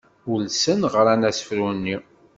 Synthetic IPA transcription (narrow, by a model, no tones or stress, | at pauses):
ʊlsənʁəɾænæsə̥fɾunːi